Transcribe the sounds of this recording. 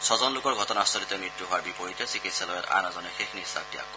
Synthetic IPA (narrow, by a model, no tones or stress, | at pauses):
sʰɔzɔnlʊkɔɹɡʱɔtɔnasɔlit̪ɔmɹitːuɦʊwaɹbipɔɹitɛsikitsɛlɔjɔta̰nazɔnɛxexnisa̰k̚tia̰kːɔ